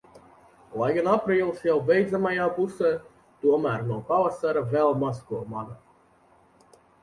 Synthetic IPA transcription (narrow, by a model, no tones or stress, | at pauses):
lˠajɡanapɾiːlˠsjawvʲɛjd̪zamajaːpusɛː | t̪uɔmæːɾnuɔpavasaɾavɛlˠmaskuɔmaɡ̪a